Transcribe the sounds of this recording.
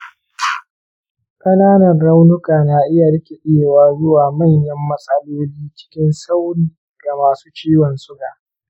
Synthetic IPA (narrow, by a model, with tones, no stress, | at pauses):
kʼɐ˦naː˦nɐ˨nɾa˦wnʊ˦kaː˨naː˨˦ʔɪ˦ja˨ɽɐ˦kʲe˨ʔeː˦˨waː˦zʊ˦waː˨mɐ˦˨ɲjɐ˦mːɐ˦sʼɐ˦loː˦liː˦t͡ʃɪ̥˦kʲɪ˦nsa˦wɽiː˨ | ɡa˨maː˨su̥ː˦t͡ʃiː˦wɔ˨nsʊ˦ɡaː˨